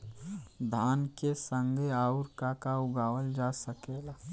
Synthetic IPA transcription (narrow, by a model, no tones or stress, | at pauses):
d̪ʱaːnkesə̃ŋɡʱeaːʊɾkakaʊɡaːwəld͡ʒasəkeːɡaː